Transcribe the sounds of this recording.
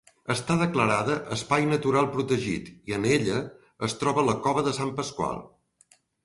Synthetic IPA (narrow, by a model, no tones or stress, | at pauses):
əst̪aðəkləɾaðəʔəspajnət̪uɾalˠpɾut̪əʒḭt̪iəneʎə | əst̪ɾɔβələkɔβəðəsampəskwa̰lˠ